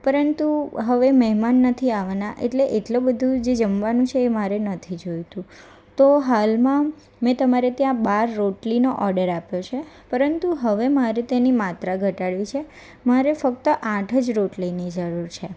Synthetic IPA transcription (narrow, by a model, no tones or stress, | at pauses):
pəɾənt̪uɦəʋeməɦmanːət̪ʰiaʋanaʔḛʈleʔeʈlobəd̪ʱũd͡ʒed͡ʒəmʋanũt͡ʃʰeːmaɾenət̪ʰid͡ʒojt̪ũ | t̪oɦalmã | mɛ̃t̪əmaɾet̪jãbaɾːoʈlinoʔɔɾɖəɾapjot͡ʃʰepəɾənt̪uɦəʋemaɾet̪enimat̪ɾaɡʱəʈaɽʋit͡ʃʰe | maɾefəkt̪əʔãʈʰəd͡ʒɾoʈlinid͡ʒəɾuɾt͡ʃʰe